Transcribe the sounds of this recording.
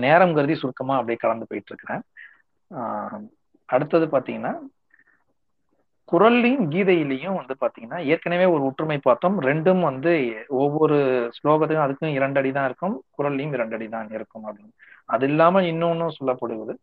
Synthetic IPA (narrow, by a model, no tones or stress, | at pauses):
neːɾɐmɡɐɾɯðisʊɾkːɐmaːɐpːɐɽijkɐlɐnd̪ɯpoːjɪʈːɪɾɯkːɪɾẽː | ɐɽɯt̪ːɐðɯpaːɾt̪iːŋɡɐnːaː | kʊɾɐlːimɡiːðɐjɪlːɐjʊ̃mʋɐnd̪ɯpaːɾt̪ĩːŋɡɐnːaːɛjɐɾkɐneʋeːɔɾɯʊʈːrɯmɐɪpːaːɾt̪õmɾɛɳɖɯmʋɐnd̪ɯɔʋːɔɾɯsloːɣɐt̪ːɯkːɐ̃ɐðɯkːʊ̃ɪɾɐɳɖɐɽit̪ãːɪɾɯkːɯmkʊɾɐlːɪjɯmɪɾɐɳɖɐɽit̪ãːɪɾɯkːɯmɐbɽɪnːɐðɪlːaːmɐɪnːɯnːʊ̃sɔlːɐpːɐɽɯʋɐðɯ